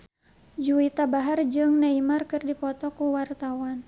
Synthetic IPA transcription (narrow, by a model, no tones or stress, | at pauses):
d͡ʒuit̪abaɦard͡ʒɨŋnaimarkɨrdipɔt̪ɔkuwart̪awan